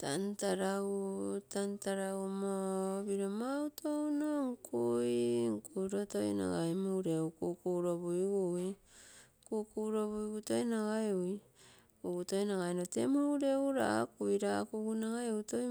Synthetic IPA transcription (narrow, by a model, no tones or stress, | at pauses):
tantaɾautantaɾaumoβiɾomawtʰownoŋkʰuiŋkuiɾoto̞jna̰ɡajmuɾeukukuɾobuiɡui | kukuɾoβuiɡuto̞jnaɡaeui | uɡuto̞jnaɡajnotemuuɾeuɾa̰kuiɾakuɡunaɡaeuto